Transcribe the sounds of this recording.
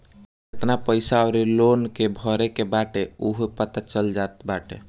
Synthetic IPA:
et̪napəɪsaɾilonkebʱəɾekebaʈeuɦpət̪at͡ʃəld͡ʒat̪baʈe

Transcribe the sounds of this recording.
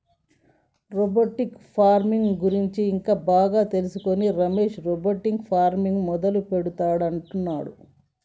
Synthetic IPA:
ɾoboʈikpʰaːɾmiŋɡɡuɾiɲt͡ʃiːŋkaːbaːɡaːt̪e̞lusuko̞niɾɐmeːʃɾoboʈːiŋɡpʰaːɾmiŋɡmɔd̪ɐlupe̞ɽut̪aːɽɐɳʈunːaːɽu

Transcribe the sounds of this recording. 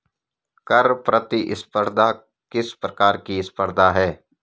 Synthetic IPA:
kɐɾpɾʔɐət̪iʔɪspəɾd̪ʱa | kɪspɾəkaːɾkiɪspəɾd̪ʱaɦɛː

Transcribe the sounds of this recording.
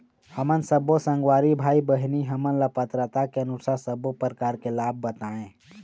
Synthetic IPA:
həmənsəbosə̃ŋɡwaːɾibʱaːibəɦniɦəmənlapət̪ɾət̪akeənusasəbopəɾəkaːɾkelaːb̚ːət̪aːẽː

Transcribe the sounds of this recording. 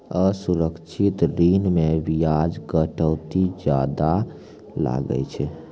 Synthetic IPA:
əsuɾəkt͡ʃʰit̪ɾinmebijad͡ʒɡəʈəwt̪id͡ʒad̪a | la̰ɡə̰t͡ʃʰɛ

